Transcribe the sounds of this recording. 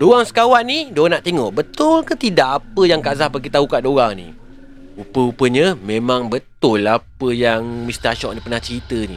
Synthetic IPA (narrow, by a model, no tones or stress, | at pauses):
doaŋsə̥kawanidoanaʔt̪eŋɔʔbət̪ʊlkət̪idaʔapəjaŋkazahpaɡit̪aukaʔdoɣaŋnḭ | upəupəɲə̃mẽmãŋbət̪ʊlapəjaŋmist̪aʃɔʔ̚nipərnaht͡ʃəɾit̪ənḭ